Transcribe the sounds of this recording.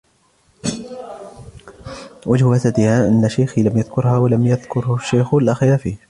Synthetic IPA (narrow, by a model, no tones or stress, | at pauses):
wad͡ʒhʊwat̪ad̪ɪhaʔanːaʃajxilamjaðkʊɾhaːwalamjaðkʊɾhʊʃːajxʊlʔaxjaːfi